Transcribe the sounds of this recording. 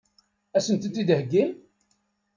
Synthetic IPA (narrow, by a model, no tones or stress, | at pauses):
æsənt̪ət̪ːid̪həɡːil